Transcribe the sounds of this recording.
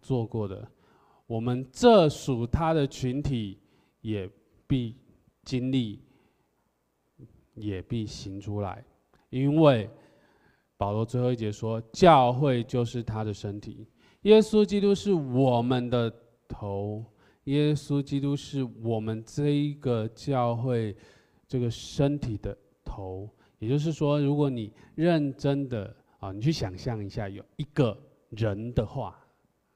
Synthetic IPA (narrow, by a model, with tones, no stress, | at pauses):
t͡swɔ˥˧kwɔ˥˩d̪ə̰˩ | wɔ˨˩mə˦nʈ͡ʂɤ˥˨˩ʂu˨˩t̪ʰa˦d̪ə˨t͡ɕʰy˧˦nt̪ʰi˨˦ | jɛ˨˩ | pi˥˩ | t͡ɕi˥nli˥˩ | jɛ˨˩pi˥˩ɕi˧˥ŋʈ͡ʂʰu˥la̰˧˦ɪ | i˦nwe˥˩ɪ | pɑ˨˩ʊlwɔ˧˥t͡swe˥˧ɪxo˥˧˥t͡ɕjɛ˧˥ʂwɔ˦t͡ɕjɑ˥˧ʊxwe˥˧ɪt͡ɕjo˥˧ʊʂɻ̩˥˩t̪ʰa˥d̪ə˨ʂə˦nt̪ʰḭ˨˩˦ | jɛ˦˥su˦t͡ɕi˥t̪u˦ʂɻ̩˥˩wɔ˨˩mə˨nd̪ə˨ | t̪ʰo˧˦ʊ | jɛ˦˥su˦˥t͡ɕi˥t̪u˦ʂɻ̩˥˩wɔ˨˩mə˦nʈ͡ʂɤ˥˩i˧˦ɡə˨t͡ɕjɑ˥˧ʊxwe˥˩ɪ | ʈ͡ʂɤ˥˩ɡə˩ʂə˦nt̪ʰi˨˩d̪ə˦ | t̪ʰo˧˦ʊ | jɛ˨˩t͡ɕjo˥˧ʊʂ̬ɻ̩˥˩ʂwɔ˦ɻu˧˥kwɔ˧˥ni˨˩ɻə˥˨nʈ͡ʂə˦˥nd̪ə̰˨ | ə˨ni˨˩t͡ɕʰy˥˩ɕjɑ˨˩ŋɕjɑ˥˩ŋi˧˥ɕja˥˩jo˨˩ʊi˧˥ɡə˨ | ɻə˧˦nd̪ə˨xwa̰˥˩